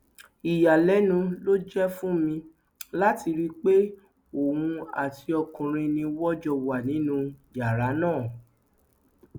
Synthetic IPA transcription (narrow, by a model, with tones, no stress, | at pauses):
i˨ja˨lɛ˨˦nũ˧lo˦d͡ʒɛ˦fũ˦mĩ˧ | la˦ti˧ɾi˦k͡pe˦ | o˨hũ˧a̰˨ti˧ɔ˧kũ˨ɾ̃ĩ˧nĩ˧wɔ˦d͡ʒɔ˧wa˨nĩ˨˦nũ˦˧ja˨ɾa˨˦nãː˦˨